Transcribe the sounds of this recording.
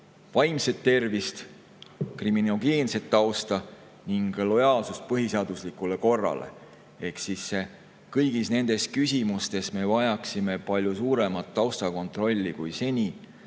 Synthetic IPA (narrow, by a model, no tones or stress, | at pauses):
vɑjmse̞t̪ːe̞rvist̪ | krimino̞ɡe̞ːnse̞t̪ːɑwst̪ɑ | niŋɡ̥lo̞jɑːlsust̪̚pɤɦiseɑːd̪̥uslikˑule̞ko̞rːɑ̰lḛ | e̞hksisːe | kɤjɡ̥isne̞nd̪̥e̞skysʲimust̪e̞sme̞vɑjɑksime̞pɑlʲjusuːɾe̞mɑt̪ːɑwst̪ɑko̞nt̪ˑro̞lʲːikujse̞nʲi